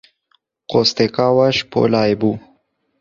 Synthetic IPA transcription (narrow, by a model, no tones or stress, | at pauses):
qost̪ekawaʃpo̰laːebu